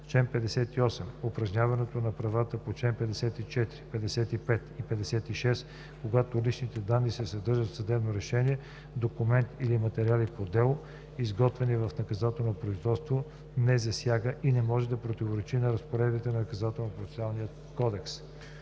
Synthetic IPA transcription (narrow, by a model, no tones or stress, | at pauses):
t͡ʃɛnpɛd̪ɛsɛt̪iɔsɛmopɾɐʒnʲavɐnɛt̪onɐpɾɐvat̪əpot͡ʃɛnpɛd̪ɛsɛt̪it͡ʃɛt̪ɾipɛd̪ɛsɛt̪ipɛt̪ipɛd̪ɛsɛt̪iʃɛs | koɡat̪olit͡ʃnit̪ɛd̪anːisɛsɐd̪ɤɾʒət̪sɐd̪ɛbnoɾɛʃɛniɛ | d̪okumɛnt̪ilimɐt̪ɛɾialipod̪ɛlˠo | izɡɔt̪vɛnivɐfnɐkɐzat̪ɛlˠnopɾoizvɔt̪st̪vo | nɛzɐsjaɡəʔinɛmɔʒɛd̪ɐpɾot̪ivoɾɛt͡ʃinɐɾɐspoɾɛd̪bit̪ɛnɐnɐkɐzat̪ɛlˠnopɾot̪alˠnijə | kɔd̪ɛks